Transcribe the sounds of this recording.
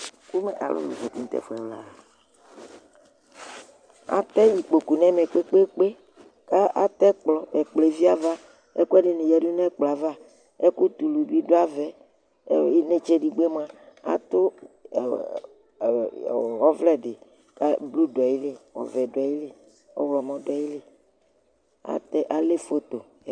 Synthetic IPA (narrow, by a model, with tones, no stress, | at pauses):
ku˦me˨ʔa̰˨lʔɔ̰˦lṵ˨vɔ˨t̪i˨ŋ̩˦t̪ɛ̰˦˨fo˨˦ɛ˨wla̰˦˨ | a̰˨t̪ɛ˦ji˨k͡po˨ku˨nɛ̃˦me˨k͡pe˦k͡pe˦k͡pe˦ | ka˦ʔa˨t̪ɛ˦k͡plɔ˨ɛ˨k͡ple˨vi˦a˦va˦ | ḛ˦ku˦ɛ˦ɖe˨nẽ˨jɛ˨˦ɖu˦nɛ̃˦k͡pla˨va˦ | e˦ku˦t̪u˨lu˨bi˦ɖo˦a˦vɛ˨ | e˦ne˦t͡ʃe˦ɖi˨ɡ͡be˦m˦ã˦a̰˨t̪o˦˨ | ɔ˦vlɛ˨ɖe˨ | ka˦blu˦dɔ˨ji˦le˦ɔ̰˨vɛ˨dji˦le˦ | ɔ̰˦wlɔ˨mɔ̃˦dɔ˨ji˦le˦ | a̰˨t̪ɛ˦ʔa˨le˦fo˦t̪o˨